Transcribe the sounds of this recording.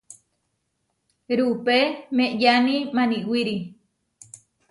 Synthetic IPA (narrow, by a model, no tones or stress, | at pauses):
ɾupemẽʔjanĩmanĩwiɾi